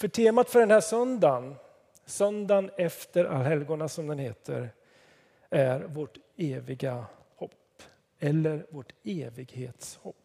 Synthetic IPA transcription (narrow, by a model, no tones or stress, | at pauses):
fœʈʰeːmat̪fœɖɛnhæːʂœnd̪an | sœnd̪anɛft̪əɾa̰lɦɛlɡʊɳasɔmd̪ɛnheːt̪ʰə̰ɾ | æɾvoʈeːvɪɡa | hɔpː | ɛlːəɾvoʈeːvɪɡhḛːt̪shɔpː